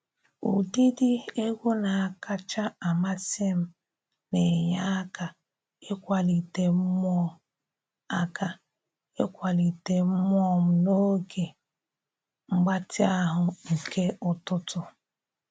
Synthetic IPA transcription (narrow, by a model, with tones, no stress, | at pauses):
ṵ˨di˦di˦e˦ɡʷo˦na˨a˨ka˦t͡ʃa˦a˨ma˦te˦m̩˨ | ne˨ɲa˦a˦ka˨ | e˦kʷa˨li˨te˨m̩˦mɔ˦ | a˦ka˨ | e˦kʷa˨li˨te˨m̩˦mʷ˦ɔ˦m̩˦no˦ɡe˨ | ŋ͡m̩˦ɡ͡ba˦tɪ˦a˦ɦʊ˨ŋ̩˨ke˦ʊ˨tʊ˦tʊ˨